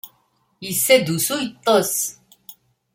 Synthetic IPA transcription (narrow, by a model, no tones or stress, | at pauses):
isːed̪usujt̪ˤːəs